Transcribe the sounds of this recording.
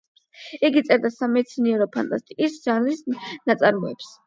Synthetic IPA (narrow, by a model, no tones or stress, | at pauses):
iɡit̪sʼɛɾd̪asamɛt̪sʰiniɛɾɔpʰa̰nt̪ʼast̪ʼiisʒanlisnat̪sʼaɾmɔɛps